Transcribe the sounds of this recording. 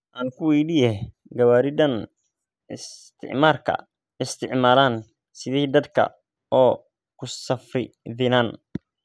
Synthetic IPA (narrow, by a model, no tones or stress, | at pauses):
ʔaːŋkʰʊwɛjɖɪjɛ | ɡɐwaːɾɪd̪ɐn | ɪst̪ʰɪ̰ʕmaːrkʰɐ̰ | ɪst̪ʰɪʕmaːlaːn | sɪðiːd̪ɐd̪kʰɐ̰ | ɔː | kʰʊsɐfrɪ̰ðɪnaːn